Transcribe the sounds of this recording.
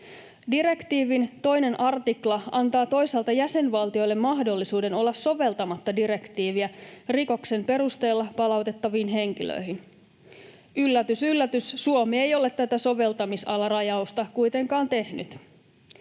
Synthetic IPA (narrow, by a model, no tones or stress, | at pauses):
diɾe̞kt̪iːʋint̪o̞jne̞nʔɑrt̪iklɑɑnt̪ɑːt̪o̞jsɑːlt̪ɑjæse̞nʋɑlt̪io̞jlːe̞mːɑɦdo̞lːisuːde̞no̞lːɑsːo̞ʋe̞lt̪ɑmɑt̪ːɑdiɾe̞kt̪iːʋiæriko̞kse̞mpe̞ɾust̪e̞ːlːɑpɑlɑwt̪e̞t̪ːɑʋiːnɦe̞ŋkilø̰iɦin | ylːæt̪ysylːæt̪yssuomiejo̞let̪t̪æt̪æso̞ʋe̞lt̪ɑmisɑlɑrɑjɑust̪ɑkujt̪e̞ŋkɑːnt̪e̞hny̰t̪